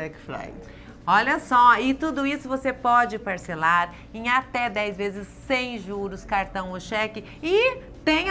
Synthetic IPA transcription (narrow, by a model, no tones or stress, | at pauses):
ɛkfla̰ | ɔʎɐsɔɪt̪ud̪ʊisʊvosepɔd͡ʒɪpaɾselaɾ | ẽj̃at̪ɛd̪ɛjzvezɪsːẽj̃ʒuɾʊskaɾt̪ɐ̃w̃oʃɛkɪ | ɪ | t̪ẽj̃